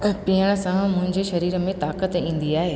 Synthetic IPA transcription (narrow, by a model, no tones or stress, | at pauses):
pɪɦəɽ̃ə̆sãmʊ̃ɦɪ̃ɲd͡ʑeʃɐɾiːɾə̆mẽt̪aːkət̪ĩːn̆d̪iaːɦeː